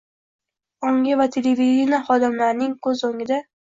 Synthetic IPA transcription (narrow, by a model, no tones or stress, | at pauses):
ɒŋɡʲavat̪ʰelevid̪ʲinaχɒd̪ɪmlaɾnɪŋkʰɵzːoŋɪd̪a